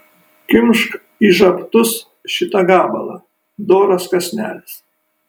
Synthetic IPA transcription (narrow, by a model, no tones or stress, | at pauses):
kʲɪmʲʃk | iʒɐpt̪ʊs | ʃʲɪt̪ɐɡɑːbɐ̰lˠɐ̰ | d̪oːɾoskɐsʲnʲæ̰ːlʲɪs